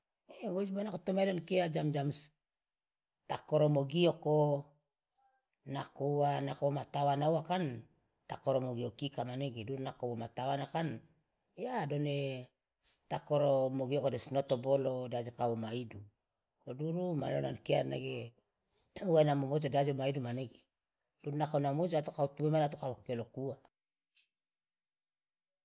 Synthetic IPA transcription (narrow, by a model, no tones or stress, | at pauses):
eɡod͡ʒbanakot̪omaidonkead͡ʒamd͡ʒams | t̪akoɾomoɡioko | nakouanakomat̪awanauwakan | t̪akoɾomoɡiokikamaneɡeduɾunakowomat̪awanakan | jadone | t̪akoɾomoɡiokodesnot̪obolodad͡ʒekaomaidu | oduɾuma̰lo̰nankia̰naɡe | uanamomod͡ʒadad͡ʒomaidumaneɡe | duɾnakonamod͡ʒat̪okautuemanat̪okawokelokua